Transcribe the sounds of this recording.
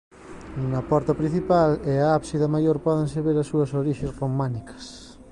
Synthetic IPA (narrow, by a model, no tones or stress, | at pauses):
uŋɐpɔɾt̪ɐpɾĩn̟θipalɛaapsiðɐmajoɾpɔðeŋseβeɾasuɐsoɾiʃesromãnikɐ̥s